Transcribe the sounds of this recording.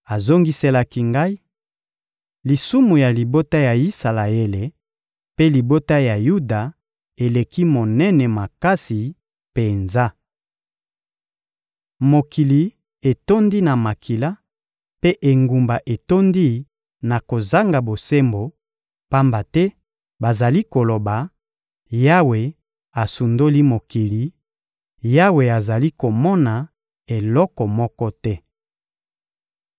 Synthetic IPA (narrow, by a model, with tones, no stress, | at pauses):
a˨zo˦ŋɡi˦se˦la˦ki˦ŋɡa˦i˦ | li˨su˦mu˨ja˨li˨bo˦ta˦ja˨i˦sa˨la˨e˦le˨ | pe˦li˨bo˦ta˦ja˨ju˦da˨ | e˨le˨ki˦mo˨nɛ˦nɛ˨ma˨ka˦si˨ | pe˨nza˦ | mo˨ki˨li˨ | e˨to˦ndi˦na˨ma˨kʰi˨la˦ | pe˦ʔe˨ŋɡu˨mba˨ʔe˨to˦ndi˦ | na˨ko˨za˦ŋɡa˨bo˨se˦mbo˨ | pa˦mba˨tɛ˦ | ba˨za˨li˦ko˨lo˨ba˨ | ja˦we˨ | a˨su˨ndo˦li˦mo˨ki˨li˨ | ja˦we˨a˨za˨li˦ko˨mɔ˦na˨ | e˨lɔ˦kɔ˨mɔ˦kɔ˦tɛ˦